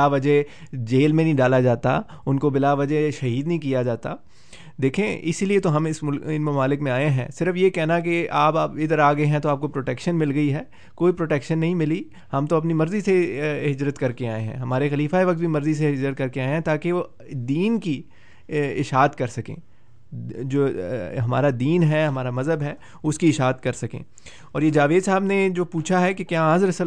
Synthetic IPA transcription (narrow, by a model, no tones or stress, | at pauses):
baʋɐd͡ʒɦ | d͡ʒeːlmẽnɦĩɖaːlad͡ʒaːt̪a̰ | ʊnkobɪlaːʋɐd͡ʒəɦʃɐɦiːd̪nɐɦĩk̬ijad͡ʒaːt̪a | d̪eːkʰẽɪsiliet̪oɦɐmɪsʊlɪnmɐmaːlɪkmẽaːeɦɛ̰̃ːsɪɾəfjekɛɦnak̬eaːpaːpɪd̪əɾaːɡɐeɦɛ̃t̪oaːp̚kopɾoːʈɛːkʃənmɪlɡɐiɦɛː | koːipɾoːʈɛːkʃənːɐɦĩmɪli | hɐmt̪oɐpnimɐɾziseɦɪd͡ʒɾət̪kɐɾkeaːẽɦɛ̰̃ɦɐmaːɾexɐliːfaeʋɐk̚t̪bʱimɐɾzis̬eɦɪd͡ʒɾət̪̚kɐɾkeaːẽɦɛ̃t̪aːkeʋo | d̪iːnki | ɪʃɦaːt̪kɐɾsɐkḛ̃ː | d͡ʒoːɦɐma̰ːɾad̪iːnɦɛɦɐmaːɾamɐzɦəbɦɛː | ʊskiɪʃɦaːt̪kɐɾsɐkḛ̃ː | ɔːɾjed͡ʒaːʋeːd̪saːbned͡ʒoːpuːt͡ʃʰaɦɛkekjaːãːzɾɐsə